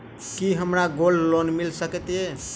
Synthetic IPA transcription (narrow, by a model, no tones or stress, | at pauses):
kiɦəmɾaɡollonmilsəket̪e